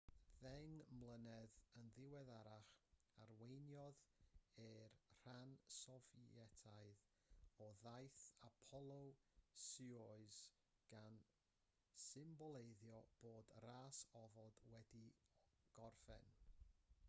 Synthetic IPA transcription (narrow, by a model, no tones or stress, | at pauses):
ðɛŋmlˠənɛðənðɪwɛðaɾaχ | aɾwejnjɔðɛrr̥ansɔvɛtʰaɨð | ɔðajθapʰɔlˠowsɨɔɨz̥ | ɡ̥an | sɪmbɔlˠejðjɔb̥oːdraːsɔvɔd̥wɛdiɡ̥ɔrfɛ̰n